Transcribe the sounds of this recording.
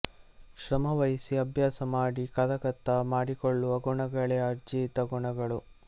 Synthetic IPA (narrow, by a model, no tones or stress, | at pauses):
ʃɾɐmɐʋɐjisiɐbʱjaːsɐmaːɽikɐd̪ɐkɐt̪ːɐmaːɽikoɭːuʋɐɡuɳɐɡɐɭeɐɾd͡ʒiːt̪ɐɡuɳɐɡɐɭu